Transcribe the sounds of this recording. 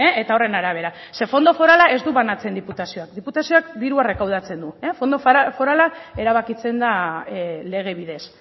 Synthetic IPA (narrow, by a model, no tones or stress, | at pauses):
eet̪ao̞re̞naɾaβ̞e̞ɾa | se̞fo̞nd̪o̞fo̞ɾalaʔe̞zd̪uβanat͡se̞nd̪iput̪asio̞ak̚d̪iput̪asio̞ak̚d̪iɾuare̞kawð̞at͡se̞nd̪uefo̞nd̪o̞fo̞ɾalae̞ɾaβ̞akit͡se̞nd̪a | le̞ɣ̞e̞β̞ið̞e̞s